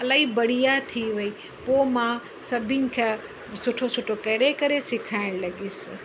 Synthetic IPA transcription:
ɐlaːibɐɽ̤ijat̪ʰiʋɐi | pomã | sɐbʱɪnɪ̆kʰa | sʊʈʰosʊʈʰokɐɾekɐɾesɪkʰaːɪɽ̃lɐɡiːsɪ

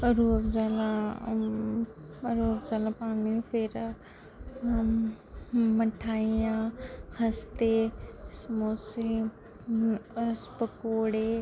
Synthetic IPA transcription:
ɾuːbzaːla | ɾuːbzalãpaːnifʰeːɾ | mɐʈʰaːijãhɐst̪esmoːsi | spəkoːɽe

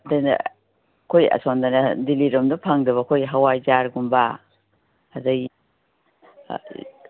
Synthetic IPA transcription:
dajnɐ̰ | kʰojɐ̰sondanɐdiliɾɔmdɐpʰaŋdɐβɐkʰojɦawajzaɾɡumbaː | zɐj

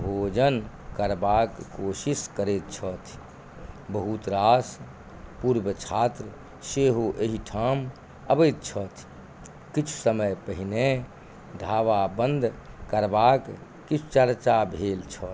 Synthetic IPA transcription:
bʱod͡ʒən | kəɾbakːoːsiskəɾet̪̚t͡ʃʰɔt̪ʰ | bəɦut̪ɾas | puɾbət͡ʃʰaːt̪ɾə | seɦoʔeɦiʈʰaːm | əbət̪̚t͡ʃʰɔt̪ʰ | kit͡ʃʰu̥səməjpəɦine | ɖʱaːʋabənd̪ʱ | kəɾbakː | it͡ʃʰu̥t͡ʃəɾt͡ʃabʱeːlt͡ʃʰɔt̪ʰ

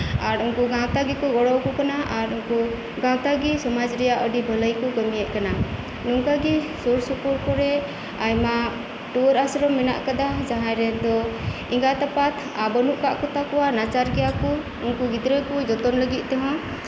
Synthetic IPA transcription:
aɾuŋkuɡãwt̪aɡikɔɡɔɽɔwkɔkanaʔaɾuŋku | ɡãwt̪aɡisɔmad͡ʒɾɛjaʔɔɖibʱələjkɔɡɔmijɛʔ̪̚kana | nuŋkaɡi | sɔɾsɔpuɾkɔɾɛ | ajma | ʈuɔɾasɾɔmːɛna̰ʔkad̪ad͡ʒaɦãɾɛd̪ɔ | iŋɡat̪apat̪ʰabɔnuʔkaʔkɔt̪akɔwanat͡ʃaɾɡɛjakɔ | uŋkuɡid̪ɾəkɔd͡ʒɔt̪ɔnləɡit̪̚ˀt̪ɔɦɔ̃

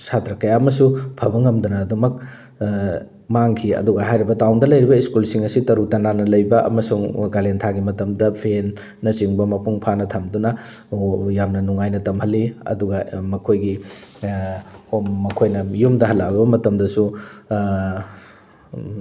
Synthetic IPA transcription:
satɾɐkɐjaɐmɐsupʰɐbɐŋɐmdunɐːdumɐk | maŋkʰiɐ̰duɡɐɦajɾibɐtawndɐlɐjɾibɐiskulsiŋɐsitɐɾutɐnanɐlɐjbɐʔɐ̰mɐsuŋɡalentʰaɡimɐtɐmdɐpʰenː | ɐt͡ʃiŋbɐmɐpuŋpʰanɐtʰɐmdunɐ | jamnɐnuŋajnɐtɐmhɐlːiɐ̰duɡɐmɐkʰojɡi | homːɐkʰojnɐjumdɐɦɐlːabɐmɐtɐmdɐsu

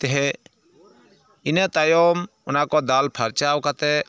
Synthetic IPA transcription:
t̪eɦɛ | ɪnet̪ajoːm | ʊnaːkoːd̪aːlpʰaɾt͡ʃaːwkat̪ɛ

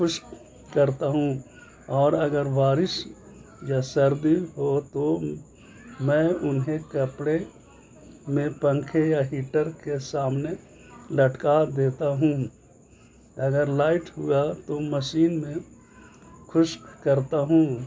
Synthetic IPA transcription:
kʰʊʃk | kəɾt̪aɦũ | ɔːɾɐɡəɾʋaːɾɪs | jasɐɾd̪iɦot̪o | mɛ̃ːʊnɦekɐpɽe | mẽpə̃ŋkʰejaɦiːʈəɾkesaːmne | lɐʈkad̪eːt̪aɦũː | ɐɡəɾlaːɪʈɦʊat̪oməʃiːnmẽ | kʰʊʃkəɾt̪aɦũ

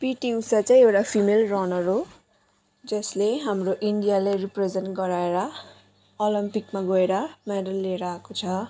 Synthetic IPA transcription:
piʈiusat͡saĩewʈapʰimelrʌnʌɾo | d͡zʌsleɦamroʔiɳɖijalajripred͡zenʈɡʌɾaeɾʌ | olimpikmaɡʌeɾʌmeɖʌlːeɾaakot͡sʰʌ

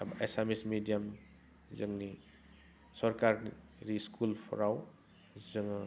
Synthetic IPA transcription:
abaʔesamismidijam | zəŋni | sɔɾkaɾn | ɾiskulpʰɔ̰ɾaw | zɯŋ

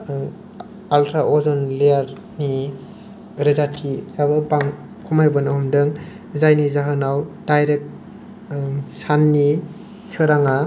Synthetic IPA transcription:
altʰɾaʔɔzɔnlejaɾ | ni | ɾɯzatʰizabɯbaŋ | kʰumajbɯnahumdɯŋ | zajnizaɦɯnawdajɾek̚ | sanːi | sʰɯɾaŋa

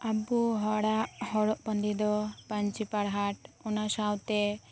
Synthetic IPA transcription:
abuɦɔɽaʔhɔɽɔʔpənd̪id̪ɔpaɲt͡ʃipaɽɦaʈɔnasawt̪ɛ

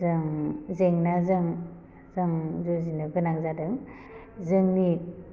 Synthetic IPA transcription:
zɯŋzeŋnazɯŋ | zɯŋzuzinɯɡɯnaŋzadɯŋ | zɯŋni

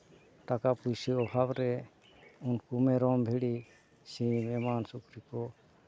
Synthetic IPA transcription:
ʈ̪akapujsiɔbʱabɾɛ | unkumɛɾɔmbʱiɽi | sĩmɛmansukɾikɔ

